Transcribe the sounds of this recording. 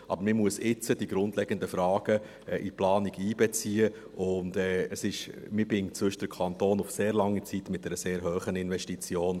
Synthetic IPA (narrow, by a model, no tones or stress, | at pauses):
ʔɑ̰bəɾmɪmuəsɪt͡səd̥iɡ̥ɾʊndlɛɡəndəfɾɑːɡ̥ə | ɛʔiplɑːniɡiːbɛt͡siə | ʊndɛːəsɪʃ | mɪbɪŋt͡sʋʏʃd̥əɾkʰɑnt̪oːnʊfseːɾlɑŋːit͡sit̪mɪt̚d̥ɛɾəseːɾɦøːχənɪnʋɛʃtit͡sjoːn